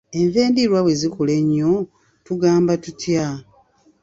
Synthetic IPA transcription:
e̞ɱve̞ːndiɾwawezikule̞ɲːo | tuɡaːmbatutja

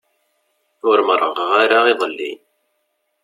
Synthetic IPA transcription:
θʊɾməɾˤəʁʁaɾaiðˤəlːḭn

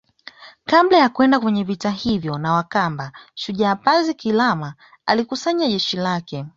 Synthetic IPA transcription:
kablɛjakwɛndakwɛɲɛvitahivjɔnawakambaʃuʄaːpazikilama | a̰likusaɲaʄɛʃilakɛ

